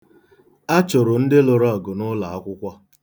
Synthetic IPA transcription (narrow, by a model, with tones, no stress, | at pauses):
a˦t͡ʃo˨ɾʊ˨n̩˦dɪ˦lo˨ɾɔ˦˨ɡʊ˨nʊ˦la˨a˦kʷʊ˦kʷa˦